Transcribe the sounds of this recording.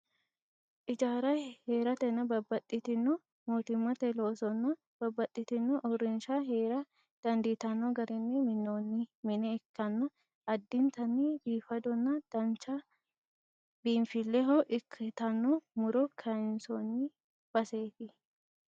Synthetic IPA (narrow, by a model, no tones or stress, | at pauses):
ʔɪd͡ʒaːɾɐheːɾɐt̪ɛnːɐbɐbːɐt̪ʼːɪt̪ɪnːɔ | moːt̪ɪmːɐt̪ɛloːsɔnːɐ | b̥ɐbːɐt̪ʼːɪt̪ɪnːɔʔɔɾɪnʃaːɦeːɾɐ | d̪̥ɐnd̪iːt̪ɐnːɔɡɐɾɪnːɪmɪnːoːnːɪmɪnɛːkːɐnːɐ | ɐd̪ːɪnt̪ɐnːibiːfɐd̪ɔnːɐd̪̥ɐnt͡ʃɐ | b̥iːnfɪlːɛɦoʔɪkʰːɐt̪ɐnːɔmʊɾɔkʰɐɪnsonːɪ | b̥ɐse̞ːfɪ